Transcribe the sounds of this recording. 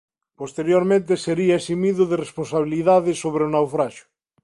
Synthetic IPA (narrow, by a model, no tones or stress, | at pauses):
post̪eɾjoɾmẽnt̪̬eseɾiaesimiðʊðeresponsaβ̞iliðaðɪsoβɾeonawfɾaʃʊ̥